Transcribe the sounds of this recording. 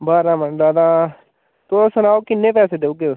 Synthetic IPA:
baːɾaːmənd̪aːd̪aː | t̪oːsənaːokɪnːẽːpɛːseːd̪eːuːke

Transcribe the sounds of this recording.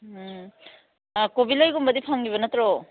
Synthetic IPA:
kobilajɡumbɐdipʰaŋɡiβɐnɐtɾo

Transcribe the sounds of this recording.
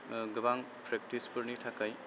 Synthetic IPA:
ɡɯbaŋ | pɾek̚tispɯɾnitʰakaj

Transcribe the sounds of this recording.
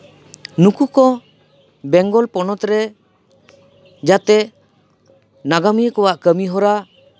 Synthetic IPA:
nukukɔ | bɛŋɡɔlpɔnɔt̪ɾɛ | d͡ʒat̪ɛ | naɡamijkɔwaʔkəmiɦɔɾa

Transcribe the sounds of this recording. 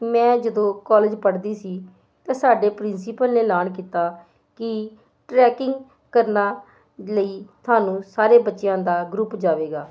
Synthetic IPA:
mɛ̃ːd͡ʒəd̪õːkɔːlɪd͡ʒpəɽd̪iːsiː | t̪ẽːsaːɖeːpɾɪnsiːpəlneːlaːnk̬iːt̪aː | kɪ | ʈɾɛːkɪŋɡ | kəɾnaː | ləiːt̪ʰaːnũːsaːɾeːbətːʃɪjãːd̪aːɡɾʊpd͡ʒaːʋeːɡaː

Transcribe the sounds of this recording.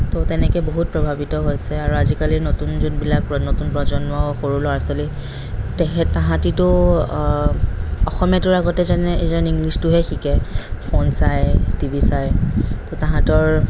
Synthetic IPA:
totɛnɛkɛboɦut̚pɹɔbʱabitɔɦojsɛaɹuazikalinotunzunbilaknotunpɹɔzɔnmɔxoɹulɔaɹsɔli | tɛkɛãɦãtitʊ | ɔxɔmijatʊɹaɡɔtɛzanɛezaniŋɡlistʊɦɛxikɛpʰonsajtibʱisajtotãɦãtɔɹ

